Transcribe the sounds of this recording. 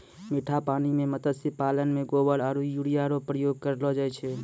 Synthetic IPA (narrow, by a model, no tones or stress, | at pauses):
miʈʰapanimemət̪əsipalənmeɡobəɽaɾujuɽijaɾopɾəjoɡ̚kəɾlɔd͡ʒajt͡ʃʰɛ